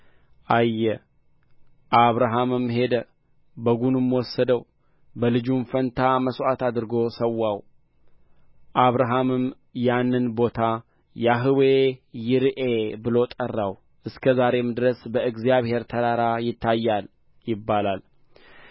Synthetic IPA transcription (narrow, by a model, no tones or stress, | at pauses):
ʔajːɛ | ʔaβɾaɦamɨmhe̞d̪ə | bəɡunɨmːwɔsːəd̪əw | bəlɨd͡ʒunfənt̪ʰaməswʔat̪ad̪ɨɾɨɡo̞səwːaw | ʔaβɾaɦamɨm | janːɨnbo̞t̪ʰa | jaɦɨwejɪɾɨʔebɨlo̞t̪ʼərːaw | ʔɨskʰəzaɾe̞md̪ɾəsbəɨɡzijaβhe̞ɾt̪ʰəɾaɾajɪt̪ʰːajːal | jɪbːalal